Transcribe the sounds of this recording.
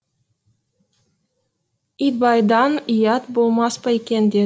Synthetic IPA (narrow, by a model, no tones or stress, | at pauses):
it̪̚bɑjd̪ɑnijɑt̪bolˠmɑspɑekʲend̪e